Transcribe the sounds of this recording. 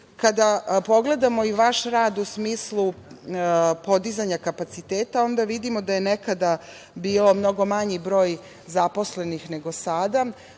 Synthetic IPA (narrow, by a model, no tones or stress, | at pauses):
kad̪apo̞ɡle̞d̪amo̞iʋaʃɾaːd̪usmiːslu | po̞d̪izaɲakapat̪sit̪eːt̪ao̞nd̪aʋid̪imo̞d̪ajenekad̪a | biːlo̞mno̞ɡo̞maɲibɾo̞ːj | zapo̞sle̞nixne̞ɡo̞sad̪a